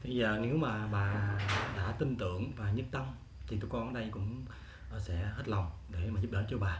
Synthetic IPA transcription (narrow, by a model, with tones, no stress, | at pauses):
t̪ʰi˨˧˩zəː˨˩ne˨˦wmaː˨˩ɓaː˨˩ɗa̰ː˧˥t̪i˧nt̪ɨ̰˧˨əŋvaː˨˩ɲɨ˦˥p̚t̪ə˧m | t͡ɕ̪ʰi˨˩t̪u˨˧˦kɔ˧n˧ɗə˧jkʊ̰˧˥ŋ͡m | ʔəː˨˩sɛ̰˧˥he˦˥t̚lɔ˨˩wŋ͡mɗe˧˩maː˨˩zu˦˥p̚ɗə̰ː˧˦t͡ɕɔ˧ɓaː˨˩